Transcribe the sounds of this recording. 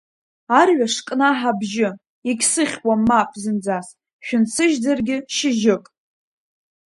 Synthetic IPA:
arɥʷaʂkʼnaħabʒɪ | iɡʲsɨχʲkʷʼamapʼzɨnd͡zas | ʃᶣʊnt͡sʰɨʒdarɡʲɪʃɪʒɪkʼ

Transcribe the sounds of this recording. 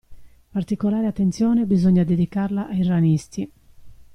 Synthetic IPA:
part̪ikolaːɾeat̪ːent̪sjɔːnebizoɲːad̪ed̪ikarlaʔajranist̪i

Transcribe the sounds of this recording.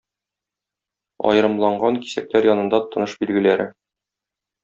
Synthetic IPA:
ɒ̰jɤ̆ɾɤ̆mlˠɑɴɢɑŋki̥sæk̚læɾjɒnɤ̆nd̪ɑt̪ɤ̆nɤʃbilɡɘ̆læɾɘ

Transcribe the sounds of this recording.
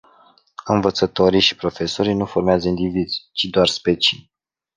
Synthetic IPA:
ɨnvət̪sət̪o̞ɾijʃi̥pɾo̞fe̞so̞ɾijnufo̞rmeazəind̪ivizʲt͡ʃid̪oarspe̞t͡ʃij

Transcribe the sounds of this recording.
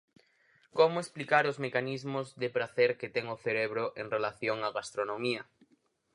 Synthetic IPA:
komʊesplikaɾʊzmekanizmʊzðɪpɾaθɛɾket̪ɛŋoθeɾeβɾʊʔeŋrelaθjoŋaɣast̪ɾonomiɐ

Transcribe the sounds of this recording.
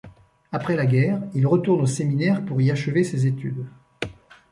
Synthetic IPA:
apχɛlaɡʲɛːʁilʁət̪uʁnoseminɛʁpuʁiaʃəvesezet̪y̰d̪

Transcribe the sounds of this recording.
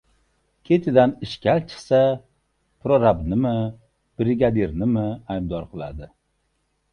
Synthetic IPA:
kʲʰe̞t̪ʰɪd̪anɪʃkʲalt͡ʃʰɪ̥sa | pɾoɾabnɪmɪ | b̥ɾɪɡʲad̪eɾnɪmɪajb̚d̪ɒɾqʰɨlˠa̰d̪ɪ

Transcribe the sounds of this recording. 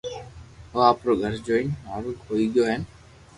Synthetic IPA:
ɦəːaːpɾoːɡʱəɾd͡ʒoːɪnnaːɾuːkɦoːiːɠjoːɦən

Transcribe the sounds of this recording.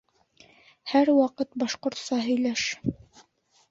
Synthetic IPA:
hæɾwɑqɤt̪̚bɑʃqŏɾt̪sɑɦɵ̆jlæʃ

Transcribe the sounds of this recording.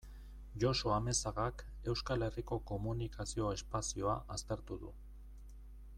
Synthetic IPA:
ʝo̞so̞ame̞saɣak | e̞wskale̞riko̞ko̞munikasio̞e̞spasio̞aʔast̪e̞ɾt̪uðṵ

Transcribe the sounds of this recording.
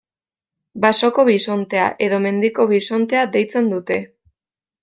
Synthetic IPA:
baso̞ko̞βiso̞nt̪e̞a̰ʔe̞ðo̞me̞nd̪iko̞βiso̞nt̪e̞ad̪e̞jt͡se̞nd̪ut̪e̞

